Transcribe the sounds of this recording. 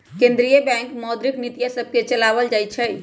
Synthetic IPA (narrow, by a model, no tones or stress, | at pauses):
kẽnd̪ɾijəbɛ̃ŋkmɔd̪ɾiknit̪ijasəb̚ʱket͡ʃəlaβəld͡ʒajt͡ʃʰɛ